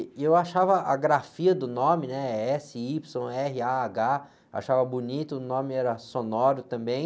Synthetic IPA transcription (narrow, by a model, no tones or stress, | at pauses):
ewaʃavɐʔaɡɾafiɐd̪ʊnõmɪnɛɛsɪipsõw̃ɛɦɪaːɡa | a̰ʃavɐbunit̪ʊːnõmɪɛɾɐsonɔɾʊt̪ɐ̃mbẽj̃